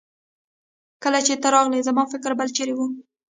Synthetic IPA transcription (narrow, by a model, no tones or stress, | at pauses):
kəlat͡ʃet̪aɾɑɣlezamɑfɪkɾbəlt͡ʃeɾewu